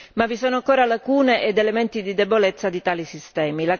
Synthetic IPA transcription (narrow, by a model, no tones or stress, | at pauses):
mavːisoːnoaŋkoːɾalakuːneʔed̪element̪id̪id̪ebolet̪sːad̪it̪aːlisist̪ɛːmila